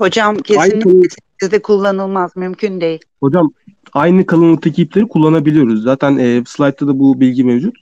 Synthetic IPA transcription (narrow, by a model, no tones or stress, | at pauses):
ho̞d͡ʒamcʰeajnioesi | izd̪ɛkʰulˠːanɯlˠmazmymcʰynd̪eji | ho̞d͡ʒam | ajnɯkʰalˠɯnˠɯt̪ʰecʰiplʲeɾikʰulˠːanabilʲijo̞ɾuzːaːt̪ʰænɛːslˠajt̪ʰːad̪abubilʲɟimevd͡ʒut̪